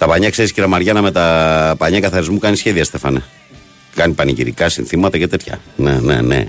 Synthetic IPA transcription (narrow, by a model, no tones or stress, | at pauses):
t̪ɐpɐɲɐkse̞ɾisciɾɐmɐɾʝɐnɐme̞t̪ɐpɐɲɐkɐθɐɾizmukɐnisçeðiɐst̪e̞fɐne | kɐnipɐniʝiɾikɐsinθimɐt̪ɐcet̪e̞t̪çɐ̰nenḛnḛ